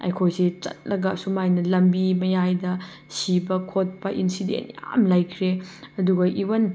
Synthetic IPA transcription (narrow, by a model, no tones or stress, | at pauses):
ɐ̰jkʰojset͡ʃɐ̰t̚lɐɡɐsumajnɐlɐmbimɐjajdɐ | sibɐkʰot̚pɐʔinsidḛntja̰mlajkʰɾeɐduɡɐʔiwɐn